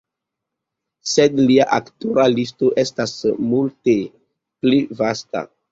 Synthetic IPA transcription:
sedliaʔaktuɾalistoʔestasmulte | plivasta̰

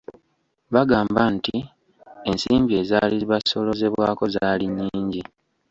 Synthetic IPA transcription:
βaɡaːmbanti | e̞nsiːmbie̞ːzaːliβaso̞lo̞ze̞βwaːko̞zaːliɲːiːɲɟi

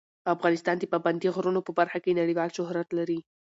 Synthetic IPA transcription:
afɣɑnɪst̪ɑnd̪epaband̪iɣɾunopəbaɾxakenaɽiwɑlʃʊhɾat̪laɾi

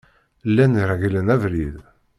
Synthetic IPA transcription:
lːæniɾˤaɡilænævlið

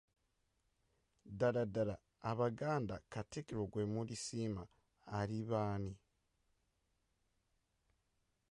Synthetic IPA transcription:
daɾadaɾaː | βaɡaːnda̰katikiɾoɡwemulisimaː | ɾiβaːni

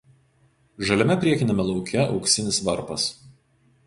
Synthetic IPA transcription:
ʒɐlʲɛmʲɛpʲɾʲiɛkʲɪnʲɛmʲɛlˠɒʊkʲɛɒ̰ʊksʲɪnʲɪsʋɐɾpɐs

